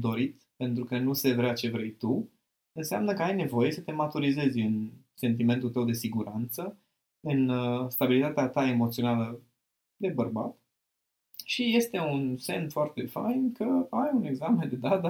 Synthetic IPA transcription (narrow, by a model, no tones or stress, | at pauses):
d̪o̞ɾit̪ | pe̞nt̪ɾukənuse̞vɾeat͡ʃe̞vɾe̞jt̪u | ɨnsa̰mnəkəajne̞vo̞je̞sət̪e̞mat̪uɾize̞zʲɨn | se̞nt̪̬ime̞nt̪ult̪əwd̪e̞siɡuɾant̪sə | ɨnst̪abilit̪at̪eat̪ae̞mo̞t̪sio̞nalə | d̪e̞bərba̰t̪ | ʃije̞st̪e̞unse̞nfoart̪e̞fa̰jnkʰəajune̞ɡzamend̪e̞d̪at̪ə